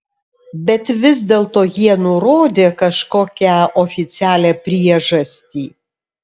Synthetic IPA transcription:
bʲɛt̪ʋʲɪzʲd̪ʲeːlˠt̪oːjiɛnʊɾoːd̪ʲeːkɐʃkoːkʲæoːfʲɪt̪sʲæːlʲæːpʲɾʲiɛʒɐsʲt̪ʲiː

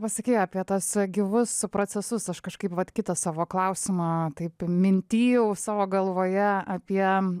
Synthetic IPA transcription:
pɐsɐkʲiːjɑːpʲiɛt̪ɐsɡʲɪʋʊspɾoːt͡s̪ʲɛsʊsɐʃkɐʃkɐɪpʋɐt̪kʲɪt̪ɐsɑːʋoːklˠɐʊsʲɪmɑːt̪ɐɪpmʲɪnʲt̪ʲiːjɛʊsɑːʋoːɡɐlˠʋoːjɛɐpʲiɛ

